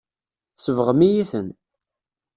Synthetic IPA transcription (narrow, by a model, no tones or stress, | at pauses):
səvəʁmijiθən